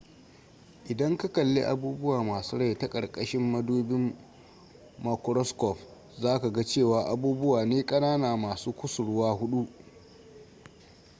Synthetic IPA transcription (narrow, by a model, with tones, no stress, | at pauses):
ʔɪ˨dɐ˦ŋka˦kɐ˨lːḛ˦ʔa̰˦buː˦bʊ˦waː˨maː˨su˦ɽɐ˦jta˦kʼɐ˨ɽkʼɐ˦ʃɪ˦mːɐ˦duː˦bɪ˦m | a˦kɾɔ˦skɔ˨ɸ | zaː˦ka˨ɡa˦t͡ʃeː˦˨waː˨ʔa˦buː˦bʊ˦waː˨neː˦kʼɐ˦naː˦naː˨maː˨suː˦kʷʊ˦sʊ˨ɽʊ˦waː˦ɦʊ˦ɗu˦ʔ